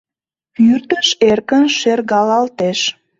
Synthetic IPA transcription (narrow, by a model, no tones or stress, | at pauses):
pyrt̪əʃerkənʃerɣɑlɑlt̪eʃ